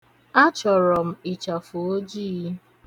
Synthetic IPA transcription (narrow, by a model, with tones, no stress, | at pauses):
a˦t͡ʃɔ˨ɾɔ˨m̩˦i˨t͡ʃa˨fu˨o˦d͡ʒi˦˨˦